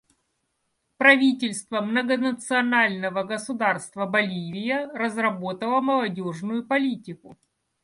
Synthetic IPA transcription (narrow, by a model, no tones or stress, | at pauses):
pɾɐvʲitʲɪlʲst̪vəmnəɡənət̪sɨɐnalʲnəvəɡəsʊd̪arst̪vəbɐlʲivʲɪjərəzrɐbo̞t̪əlˠəməlˠɐdʲoʐnʊjʊpɐlʲitʲɪkʊ